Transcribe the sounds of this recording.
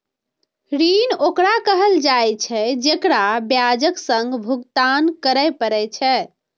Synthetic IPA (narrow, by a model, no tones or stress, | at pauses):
ɾinokɾakəɦəld͡ʒajt͡ʃʰɛd͡ʒekɾabjad͡ʒəksəŋɡbʱuɡt̪ankəɾəjpəɾɛt͡ʃʰɛ